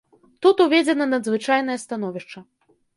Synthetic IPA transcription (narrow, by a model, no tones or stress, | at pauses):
t̪ut̪uvʲɛd͡zʲɛnɐnɐd̪zvɨt͡ʂajnɐjɐst̪an̪ɔvʲiʂt͡ʂɐ